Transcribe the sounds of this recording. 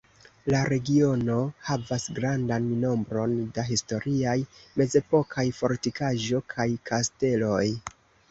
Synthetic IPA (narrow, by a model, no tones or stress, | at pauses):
laɾe̞ɡio̞no̞havasɡɾandanːo̞mbɾo̞ndaɦisto̞ɾiajme̞ze̞po̞kʰajfo̞ɾtikaʒo̞kʰajkʰaste̞lo̞j